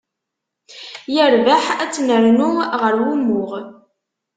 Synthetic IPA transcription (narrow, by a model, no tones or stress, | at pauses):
jəɾvaħæt͡sːnəɾnuʁəɾwimːʊʁ